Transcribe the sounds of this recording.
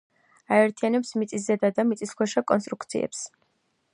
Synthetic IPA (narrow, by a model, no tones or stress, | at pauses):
aɛɾt̪ʰijanɛpsmit̪sʼiszɛd̪ad̪amit̪sʼiskʰwɛʃakʼɔnst̪ʼɾukt̪sʰḭɛ̰ps